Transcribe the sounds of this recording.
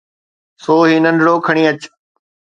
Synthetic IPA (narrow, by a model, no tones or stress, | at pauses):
soːɦiːnə̃ɳɖʱɽoːkʰəɽ̃iːət͡ɕ